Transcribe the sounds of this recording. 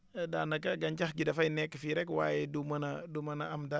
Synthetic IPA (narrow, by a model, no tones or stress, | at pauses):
danakaɡaɲt͡ʃahɡidafainɛkfiɾɛkwa̰jɛdumanadumanaamda